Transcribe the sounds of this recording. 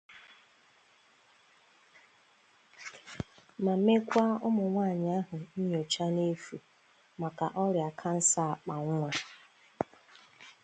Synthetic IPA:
ma˨˦me˦kʷa˦ʊ˦mʊ˨ŋʷaː˦˨ɲɪ˨a˦ɦʊ˨ni˦ɲ˨o˨t͡ʃa˦ne˦fu˨ | ma˨ka˨ʔɔ˦ɾja˨kʰa˦n̩˦sa˦a˨k͡pa˨ŋʷ˦a˨

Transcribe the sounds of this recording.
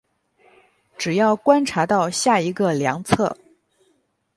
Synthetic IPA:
ʈ͡ʂɻ̩˨˩jɑ˥˩ʊkwa˥nʈ͡ʂʰa˧˥t̪ɑ˥˧ʊɕja˥˩i˧˥ɡə˧ljɑ˧˥ŋt͡sʰɤ˥˩

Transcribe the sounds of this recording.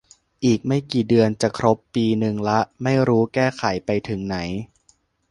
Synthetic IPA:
ʔiː˨˩k̚ma˥˩jkiː˨˩dɯ˧ənt͡ɕa˨˩kʰɾo˦˥pːiː˧nɯ˧ŋla˦˥ʔma˥˩jɾuː˦˥kɛː˥˩kʰa˩˦jpa˧jt̪ʰɯ˨˩˦ŋna˩˦j

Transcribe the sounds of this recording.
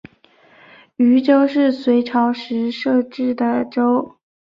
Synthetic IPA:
y˧˥ʈ͡ʂo˥ʊʂɻ̩˥˩swe˧˥ɪʈ͡ʂʰɑ˧˥ʊʂɻ̩˧˥ʂɤ˥˧ʈ͡ʂɻ̩˥˩d̪ə˩ʈ͡ʂo˥ʊ

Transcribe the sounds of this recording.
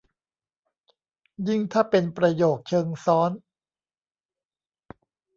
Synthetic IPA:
ji˥˩ŋt̪ʰaː˥˩pe˧npɾa˧joː˨˩k̚t͡ɕʰɤː˧ŋsɔː˦˥n

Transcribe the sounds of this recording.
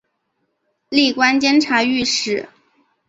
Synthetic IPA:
li˥˩kwa˥nt͡ɕjɛ˥nʈ͡ʂʰa˧˥y˥˧ʂɻ̩˥˩

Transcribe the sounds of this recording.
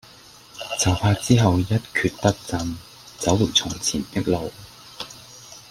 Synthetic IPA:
t͡sɐ˨˩wpʰaː˧t͡siː˥ɦɐ˨wjɐ˥t̚kʰyː˧t̚pɐ˥t̚t͡sɐ˧n | t͡sɐ˨˥wlʊ˨˩k̚t͡sʰʊ˨˩ŋt͡sʰiː˨˩nt̪ɪ˥k̚lo˨w

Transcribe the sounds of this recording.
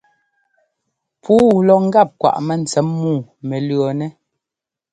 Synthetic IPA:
pʰuː˦˨lɔ˨ŋ̩˦ɡa˦˨p̚kwa̰˨ʔmɛ˨n̩˨t͡sɛ˨˦mːuː˦˨mɛ˨lɰɔ˨nɛ˦

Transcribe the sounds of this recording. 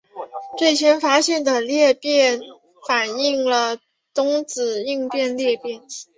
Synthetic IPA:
t͡swe˥˩ɪt͡ɕʰjɛ˧˥nfa˥ɕjɛ˥˩nd̪ə˩ljɛ˥˧pjɛ˥˩n | fa˨˩ni˥˩ŋlə˩ | t̪ʊ˥ŋt͡sɹ̩˨˩i˥˧ŋpjɛ˥˧nljɛ˥˧pjɛ˥˩n

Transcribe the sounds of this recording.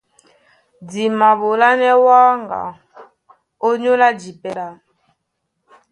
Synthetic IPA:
d͡zi˨ma˨ɓo˨la˦nɛ˦wa˦ŋɡa̰˨ | o˦ɲo˦la˦d͡ʒi˨pɛ˨ɾa˨

